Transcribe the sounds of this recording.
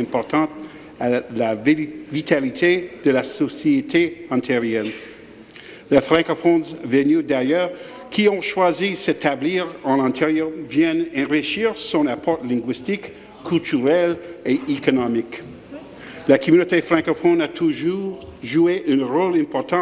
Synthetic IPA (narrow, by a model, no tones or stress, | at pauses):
ɛ̃pɔʁt̪ɑ̃t̪̚ | alavit̪ʰalit̪ʰed̪əlasɔsiet̪ʰeɑ̃t̪ʰeʁjɛn | lefʁɛ̃kɔfɔ̃nzvənyd̪ajœʁ | kʰiɔ̃ʃwaziset̪ʰabliːʁɑ̃lɛ̃t̪ʰeʁjœʁvjɛnɛ̃ʁiʃiːʁsɔ̃napʰɔʁtlɛ̃ɡwist̪ikʰː | ylt̪ʰyʁɛleʔekɔnɔmik | lakʰɔmynot̪efʁɛ̃kɔfɔ̃nat̪ʰuʒuːʁʒueʔynʁɔlɛ̃pɔʁt̪ɑ̃